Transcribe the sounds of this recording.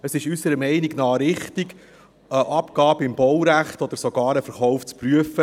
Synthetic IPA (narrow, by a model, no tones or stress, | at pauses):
əsɪʃysəɾəmɛɪnɪɡnɑːɾɪχt̪iɡ | əʔɑpɡ̥ɑːbəɪmbɔwɾæχtɔd̪əɾsɔɡ̥ɑːɾəfəɾχɔʊft͡spryəfə